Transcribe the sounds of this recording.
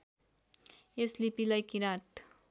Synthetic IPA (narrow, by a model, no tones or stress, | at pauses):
eslipilajkiɾaʈ